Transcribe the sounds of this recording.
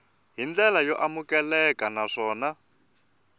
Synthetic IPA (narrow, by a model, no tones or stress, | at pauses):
ɦind͡ɮɛlajɔʔamukɛlɛkanaʂɔːna